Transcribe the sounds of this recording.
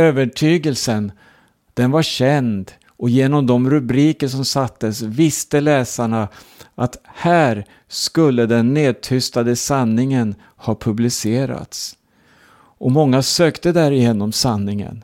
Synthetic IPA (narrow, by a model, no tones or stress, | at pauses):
øːvəʈʰyːɡəlsən | d̪̥ɛnvaɕɛnd̪ | ʔɔjeːnɔmd̪ɔmɾɵbɾiːkəʂɔmsat̪ːəsvɪst̪əlɛːsaɳaʔat̪hæːɾ | skɵlːəd̪ɛnːeːd̪̚t̪ʰʏst̪ad̪əsanːɪŋən | hɑːpʰɵblɪseːɾa̰t̪s | ʔɔmɔŋːasøːkt̪əd̪æɾɪjeːnɔmsanːɪŋə̰n